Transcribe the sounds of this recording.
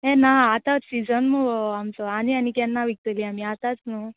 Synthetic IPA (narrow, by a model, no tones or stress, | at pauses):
enaat̪asid͡zənmuamt͡sɔanianikɛnːaʋik̚t̪əliamiat̪at͡snu